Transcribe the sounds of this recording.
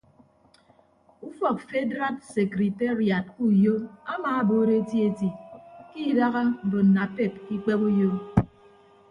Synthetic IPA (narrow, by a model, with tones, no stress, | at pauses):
u˦fɔ˨k̚fe˦dɾa˦t̚se˨kɾi˨te˦ɾi˨a˨t̚ku˦˨jo˦a˦maː˨a˦bo˨˦ɾe˦e˦ti˦e˦ti˨ki˦˨da˦ɣa˦m̩˨bo˨n̩˨na˨pe˦˨p̚ki˦k͡pe˦bo˦jo˦